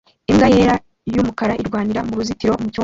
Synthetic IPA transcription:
iŋɡajeɾa | jumukaɾaʔiɾɡwaːniɾamuɾuzitiɾo̞muco

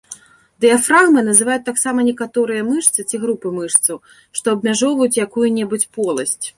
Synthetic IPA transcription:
d̪ɨjafraɣmɨnɐzɨvajut̪̚ʲt̪ːaksamɐnʲɛkat̪ɔɾɨjɐmɨʂt̪sɨt͡sʲiɣɾupɨmɨʂt̪sɐw | ʂt̪ɔɐbʲmʲaʐɔvɐjut͡sʲjakujunʲɛbut͡sʲpɔlˠɐsʲt͡sʲ

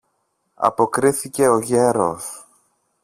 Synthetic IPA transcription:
ɐ̰po̞kɾiθice̞o̞ʝe̞ɾo̞̰s

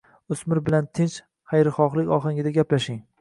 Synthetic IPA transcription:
ʊsmɪɾbɪlant̪ʰɪnt͡ʃ | χajɾɪχɒχlˠɪkʲɒχaŋɪd̪aɡʲaplaʃɪŋ

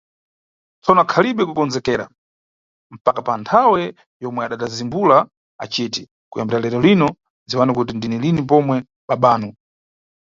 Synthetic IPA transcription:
t͡sɔnɔakʰaliɓɛkukɔnd͡zɛkɛːɾa̰ | m̩pakapantʰawɛ | jɔmwɛaɗadazimbula | a̰t͡ʃiti | kujambɛɾalɛɾɔlinɔ | d͡ziwanakutindinilinip̬ɔmwɛ | ɓaɓaːnɔ

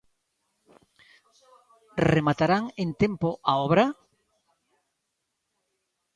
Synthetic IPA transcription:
remat̪aɾaŋent̪empoʔaɔβɾa

